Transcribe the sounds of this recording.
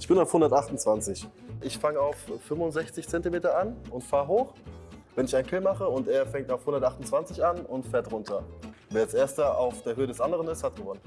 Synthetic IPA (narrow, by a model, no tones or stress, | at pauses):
ʔɪçb̥ɪnaʊfhʊndɐtʔaχtn̩t͡sv̥ant͡sɪçʔɪçfaŋəaʊfːʏmvʊnzɛçt͡sɪçt͡sɛntimeːtɐʔanʊntfaːʁəɦoːχvɛnɪçaɪnkʰɪlmaχəʊnteːɐfɛŋktaʊfhʊndɐtʔaχtʊnt͡sv̥ant͡sɪçanʊntfɛːɐtʁʊntʰɐveːɐasʔeːɐstɐʔaʊfd̥eːɐhøːədɛsʔandəʁənɪsthat̚ɡ̥əvɔnən